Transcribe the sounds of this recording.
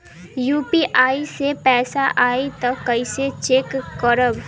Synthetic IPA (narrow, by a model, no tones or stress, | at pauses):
juːpiʔaːisepɛːsaʔaːit̪ɐɐiset͡ʃeːkːəɾəb